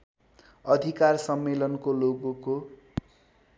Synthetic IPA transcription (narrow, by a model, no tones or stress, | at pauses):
ʌd̪ʱikarsʌmːelʌnkoloɡuko